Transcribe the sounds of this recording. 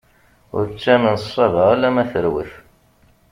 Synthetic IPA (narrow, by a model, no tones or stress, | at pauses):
ʊ̰ɾt͡sːæmənsˤːɑvəʁælːæmæθəɾwḭf